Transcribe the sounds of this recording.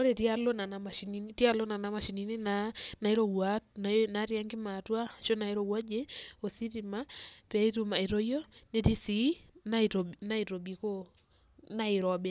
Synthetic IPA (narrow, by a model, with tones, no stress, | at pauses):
o˦ɾe˨tja˦lo˦na˨na˨ma˨ʃi˨ni˦ni˦tja˦lo˦na˨na˨ma˨ʃi˨ni˦ni˦nana˨i˦ɾo˨wa˦na˨na˨˦ɾja˦ŋɡɪ˦ma˨twa˦ʃo˦na˨i˦ɾo˨wa˦d͡ʒe˦o˨si˦ti˨ma˦pa˦i˦tu˨ma˨ɪ˨ɾo˦jɔ˦ne˦ti˦si˨˦na˦to˨na˦i˨ɾo˨bi˨ko˦ | na˦ɪ˨ɾɔ˨bɛ˦